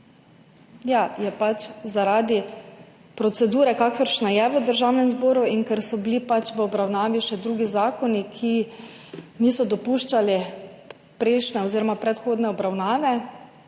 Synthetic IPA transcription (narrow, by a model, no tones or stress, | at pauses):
jajɛpat͡ʃzaɾaːd̪i | pɾɔt̪sɛd̪uːɾɛkakəɾʃnajɛʋəd̪əɾʒaːwnɛmzboːɾuinkɛɾsɔbilipat͡ʃʋəɔbɾawnaːʋiʃɛd̪ɾuːɡizaːkɔnikʰi | niːsɔd̪ɔpuːʃt͡ʃali | pɾɛʃnɛɔziɾɔmapɾɛt̪xoːd̪nɛɔbɾawnaːʋɛ